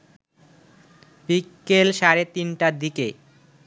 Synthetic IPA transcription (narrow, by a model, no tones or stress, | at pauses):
bikːelʃaɾet̪inʈad̪ike